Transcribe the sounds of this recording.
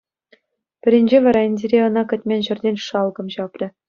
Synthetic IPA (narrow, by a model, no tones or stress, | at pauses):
pʲɘ̆ɾʲɘ̆nʲd͡ʑeʋɑɾɑĭnʲdʲeɾʲeɤ̆nɑkʲɘ̆tʲmʲenʲʑɘ̆rʲdʲenʲʂɑlˠɡɤ̆mɕɑprʲɘ̆